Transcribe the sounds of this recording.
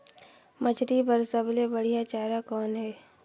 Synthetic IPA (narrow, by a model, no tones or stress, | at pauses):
mət͡ʃʰɾipəɾsəblebəɽ̤ijat͡ʃaːɾakɔːnɦɛː